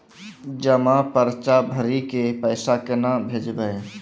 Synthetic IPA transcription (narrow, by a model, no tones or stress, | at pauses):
d͡ʒəmãpəɾt͡ʃabʱəɾikepəɪsakenabʱeːd͡ʒbəe